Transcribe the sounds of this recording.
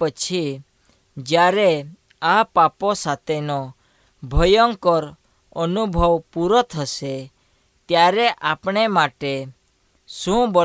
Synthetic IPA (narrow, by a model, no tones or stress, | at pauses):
ət͡ʃʰi | d͡ʒjaɾe | apaposat̪enɔ | bʱɔjɔŋkɔɾ | ənubʱɔwpuɾɔt̪ʰəse | t̪jaɾeʔapɳ̃emaʈe | sũb